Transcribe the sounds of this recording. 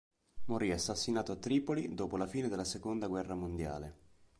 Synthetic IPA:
moɾiasːasːinaːt̪oat̪ːɾiːpolid̪oːpolafiːned̪elːasekond̪aɡwɛrːamond̪ja̰ːle

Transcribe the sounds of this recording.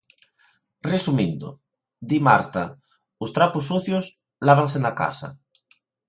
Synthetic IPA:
resumĩnd̪o̰ | d̪imaɾt̪a | ʊst̪ɾapusːuθjos | laβ̞aŋs̬enaka̰sa̰

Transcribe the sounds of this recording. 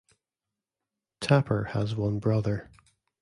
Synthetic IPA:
tʰapʰə˞əzwʌ̃nbɹʌðə˞

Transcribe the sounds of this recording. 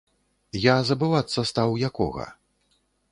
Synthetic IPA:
jazɐbɨvat̪sːɐst̪awjakɔ̰ɣɐ̰

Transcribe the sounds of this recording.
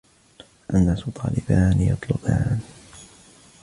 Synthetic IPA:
ʔanːaːsʊt̪ˤʰɑːlɪbaːnjɑt̪ˤlʊbaːn

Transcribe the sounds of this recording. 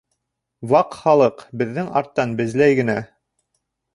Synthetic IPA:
wɑqχɑlˠɤqbɘ̆ðːɘŋɑ̰ɾt̪ːɑnbɘ̆zlæjɡɘ̆næ

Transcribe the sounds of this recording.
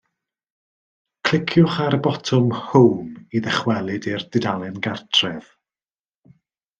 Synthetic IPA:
kʰl̥ɪkʰjʊχaɾbɔtʰʊmhowmiðɛχwɛlˠɨdird̥ɪdalˠɪnɡartʰrɛð̥

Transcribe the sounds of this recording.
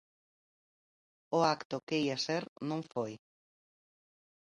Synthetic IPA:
ʊakt̪ʊkeiaseɾnõŋfoj

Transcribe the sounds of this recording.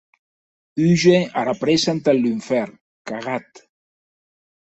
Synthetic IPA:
yʒeaɾapɾesant̪alyɱfɛɾ | kaɣat̪

